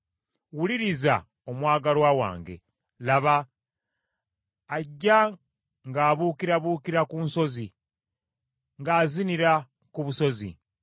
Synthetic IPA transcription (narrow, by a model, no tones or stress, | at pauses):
wuliɾiza̰ | omwaːɡalwawa̰ːŋɡe̞̰ | laβa | ɟːa | ŋɡaːβuːkiɾaβuːkiɾakuːnso̞zi | ŋɡaːziniɾa | kuβuso̞zḭ